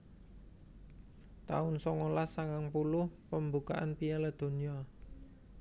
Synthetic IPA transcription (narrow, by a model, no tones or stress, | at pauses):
t̪a̰ʊnsɔŋolasaŋaŋpulʊhpəmbukaʔa̰npialad̪̥o̤nia